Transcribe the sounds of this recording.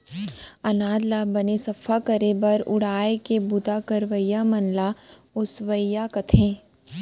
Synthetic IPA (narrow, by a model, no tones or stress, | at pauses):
ɐnaːd̪labɐnesɐfʰakɐɾebɐɾʊ̰ɽ̤aːekebʊd̪akəɾʋəjːamɐnlaʊsʋəjːakɐt̪ʰẽː